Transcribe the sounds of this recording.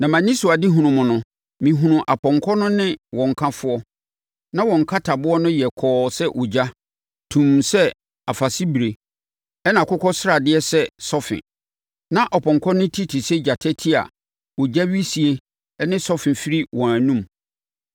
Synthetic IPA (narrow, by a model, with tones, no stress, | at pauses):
nã˨mã˨nĩ˦su˨a˨dɪ˦ɦũ˨nʊ̃˨mʊ̃˨nʊ̃˦ | mĩ˨ɦũ˨nʊ̃˨ʔa˨pʰɔ̃˨ŋkʰɔ˦nʊ̃˦nɪ̃˦wɔ̃˨ŋ̩˨kʰã˦fʊ˦ɔ˦ | nã˦wɔ̃˨ŋ̩˨kʰa˦tʰa˨bʊ˦ɔ˦nʊ̃˦jɛ˨kʰɔː˦sɛ˦ʔo˨d͡ʑa˦ | tʰũ˨msɛ˦ | a˨fa˨si˦bɾe˨ | ɛ˦nã˨kʊ˦kʰɔ˦sɪ˦ɾa˨dɪ˦ɛ˦sɛ˦sɔ˦fɪ̰˨n | nã˦ʔɔ˨pʰɔ̃˨ŋkʰɔ˦nʊ̃˦tʰi˦tʰi˨sɛ˦d͡ʑa˨tʰɛ˦tʰi˦a̰˨ | wɔ˨d͡ʑa˦ɥi˦si˨e˦ | nɪ̃˦sɔ˦fɪ̃˨nfi˦ɾi˦wɔ̃˨æ˨nũ˦m